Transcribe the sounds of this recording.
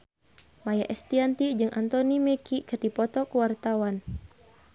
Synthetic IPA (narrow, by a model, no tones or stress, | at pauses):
majaʔɛst̪iant̪id͡ʒɨŋʔa̰nt̪ɔnimɛkikɨrdipɔt̪ɔkuwart̪awan